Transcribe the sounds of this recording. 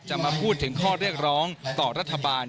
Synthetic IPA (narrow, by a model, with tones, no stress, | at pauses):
t͡ɕa˨˩maː˧pʰuː˥˩t̪ʰːɯ˩˦ŋkʰɔː˥˩ɾi˥˩ək̚ɾɔː˦˥ŋt̪ɔː˨˩ɾa˦˥t̪ʰːa˧baː˧n